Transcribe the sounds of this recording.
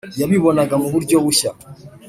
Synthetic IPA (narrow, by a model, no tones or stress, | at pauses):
jaβiβonaɡamuβuɾɟoβuʃa